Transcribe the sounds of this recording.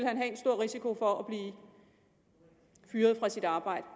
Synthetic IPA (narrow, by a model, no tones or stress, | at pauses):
elhænɦɛe̝n̥sd̥o̝ɐ̰ʁisikʰo̝fɒ̽æb̥liː | fyːɐð̞ˠfʁɑ̈sid̥ɑ̈ːb̥ɑ̈ɪ̰d̥ə